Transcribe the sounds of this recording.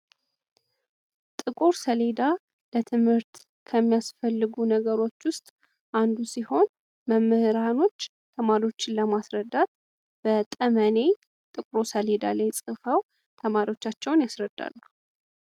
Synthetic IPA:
t̪ʼɨkʼuɾsəle̞d̪a | lət̪ʰɨmhɨɾt̪ | kʰəmːijasfəlːɨɡunəɡəɾo̞t͡ʃːwʊst̪ʼ | ʔand̪usiho̞n | məmːɨhɨɾano̞t͡ʃː | t̪ʰəmaɾio̞t͡ʃːɪnləmasɾəd̪ːat̪̚ | b̥ət̪ʼəməne̞j | t̪ʼɨkʼɾosəle̞d̪a̰lajsʼɨfəw | t̪ʰəmaɾio̞t͡ʃːat͡ʃːɛwnjasɾəd̪ːa̰lːu

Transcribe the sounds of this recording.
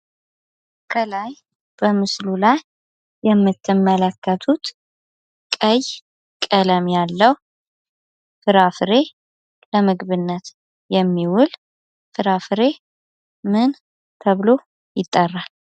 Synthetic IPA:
kʰəlaj | b̥əmɨslulajː | ɛmːɨt̪ːɨmːələkːət̪ʰut̪ | kʼəj | kʼələmjalːəw | fɨɾafɨɾe̞ | ləmɨɡβɨnːət̪ | jɛmːiwʊl | fɨɾafɨɾe̞ | mɨn | t̪ʰəβɨlo̞ | jɪt̪ʼːərːal

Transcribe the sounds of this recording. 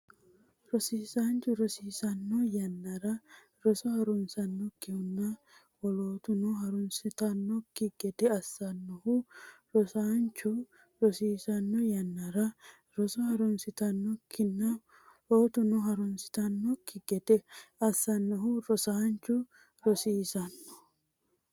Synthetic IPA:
ɾɔsiːsaːnt͡ʃʊɾɔsiːsɐnːɔjɐnːɐɾɐ | ɾɔsɔhɐɾɔnsɐnːɔkːɪhʊnːɐ | wɔloːt̪ʊnɔɦɐɾʊnsɪt̪ɐnːɔkːɪɡ̥ɛd̪ɛɐsːɐnːɔhʊɾɔsaːnt͡ʃːʊ | ɾɔsiːsɐnːɔjɐnːɐɾɐ | ɾɔsɔhɐɾɔnsɪt̪ɐnːɔkʰːɪnːɐ | loːt̪ʊnɔɦɐɾʊnsɪ̥t̪ɐnːɔkːɪɡ̥ɛd̪̥ɛɐsːɐnːɔhʊɾɔsaːnt͡ʃːʊ | ɾɔsiːsɐnːɔ̥

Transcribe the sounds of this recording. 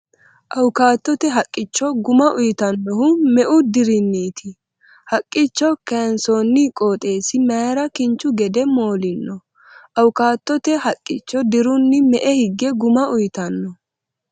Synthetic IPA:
ʔɐwʊkaːt̪ːɔt̪ɛɦɐkʼːɪt͡ʃːɔɡʊmɐʔʊjt̪ɐnːɔhʊmɛʔʊd̪ɪɾɪnːiːt̪ʰɪ | hɐkʼːɪt͡ʃːɔkɛnsonːɪkʼoːt̪ʼe̞ːsɪmeɾɐkɪnt͡ʃːʊɡɛd̪ɛmoːlɪnːɔ | ʔɐwʊkaːt̪ːɔt̪ɛhɐkʼːɪt͡ʃːɔd̪ɪɾʊnːɪmɛʔɛhɪɡːɛɡʊmɐʔʊjt̪ɐnːɔ

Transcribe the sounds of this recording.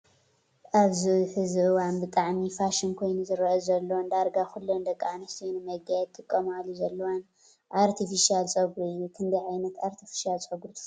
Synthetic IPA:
ʔaβziħɨzɨʔɨwanbɨt̪ʼaʕmifaʃinkʰo̞jnuzɨɾɐʔɐzɐlːnd̪aɾɡaxulːond̪ɐkʼːanɐst̪ʰinɨmɐɡajɛd̪t̪̚t̪ʰɨkʼːɐmalːuzɐlːɐwan | ʔaɾt̪ʰifiʃialt͡sʼɐɡɾuɨjːukʰɨnd̪ɐjʕajnɐt̪aɾt̪ʰifi̥ʃialt͡sʼɐɡɾu

